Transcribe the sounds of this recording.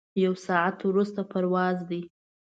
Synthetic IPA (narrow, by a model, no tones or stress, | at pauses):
jawsɑat̪wɾust̪apaɾwɑzd̪i